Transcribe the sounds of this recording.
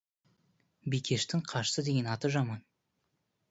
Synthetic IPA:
bijkʲʰe̞ʃt̪ɪŋqʰɑʃsəd̪e̞ɡʲe̞nɑt̪əʒɑmɑn

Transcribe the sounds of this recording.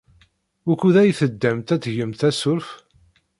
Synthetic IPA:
ʊkuðæjθəd̪ːæmt̪æt͡sːʝəmt̪æsʊɾf

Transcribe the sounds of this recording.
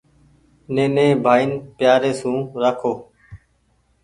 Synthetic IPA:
nẽːnẽːbʱaːiːnpjaːɾeːsũːɾaːkʰoː

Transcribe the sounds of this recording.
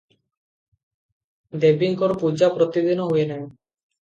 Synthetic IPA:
d̪ebiŋkɔɾpud͡ʑapɾɔt̪id̪inɔɦoenɛ

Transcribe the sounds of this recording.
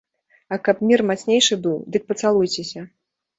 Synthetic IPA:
ɐkapmʲirmat̪snʲejʂɨbɨwd̪ɨk̚pɐt̪salˠujt͡sʲesʲɐ

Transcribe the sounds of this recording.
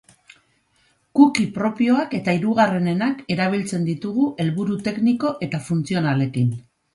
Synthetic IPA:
kukipɾo̞pio̞ake̞t̪aiɾuɣ̞are̞ne̞nake̞ɾaβ̞ilt͡se̞nd̪it̪uɣuʔe̞lβuɾut̪e̞kniko̞ʔe̞t̪afunt͡sio̞nale̞kin

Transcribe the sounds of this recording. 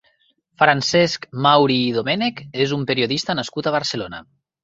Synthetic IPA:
fɾansɛskmawɾiːðomɛnekezumpeɾioðist̪ənaskut̪aβ̞aɾsəlona̰

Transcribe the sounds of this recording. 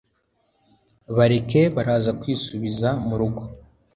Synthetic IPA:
βaɾe̞ke̞βaɾaːzakwiːsuβizamuɾuɡo

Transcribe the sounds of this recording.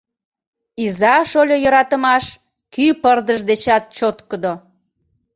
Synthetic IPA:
izɑʃolʲojəɾɑt̪əmɑʃ | kypərd̪əʃd̪et͡ɕɑt̪̚t͡ɕot̪kəd̪o

